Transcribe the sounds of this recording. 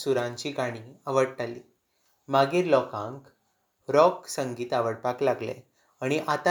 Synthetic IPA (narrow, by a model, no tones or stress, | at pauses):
suɾãɲt͡ɕiːɡaɽ̃iəʋəɽʈaliː | maɡiːɾlɔkãŋk | ɾɔksəŋɡiːt̪aʋəɽpaklaɡlḛ | aɽ̃iʔat̪a